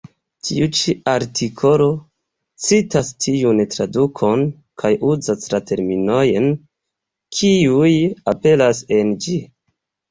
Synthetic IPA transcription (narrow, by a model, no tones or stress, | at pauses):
tʰḭut͡ʃiaɾtʰikʰo̞lo̞ | t͡sitastʰiuntɾadukʰo̞n | kʰajuzaslatʰe̞ɾmino̞jen | kʰiujape̞lase̞nd͡ʒi